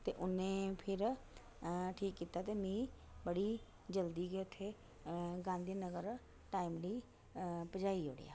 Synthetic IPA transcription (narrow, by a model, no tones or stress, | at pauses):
t̪eːʔʊnẽːpʰɪɾ | ʈʰiːkːiːt̪aːt̪eːmĩː | bəɽiː | d͡ʒəld̪iːɡet̪ʰːeː | ɡãːnd̪enəɡəɾ | ʈaːiːmliː | pəd͡ʒaːioːɽḛja̰ː